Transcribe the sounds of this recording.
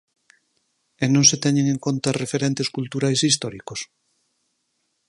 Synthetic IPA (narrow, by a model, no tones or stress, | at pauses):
enõŋset̪ɛɲeŋẽŋkont̪arefeɾent̪eskult̪uɾajsist̪ɔɾikos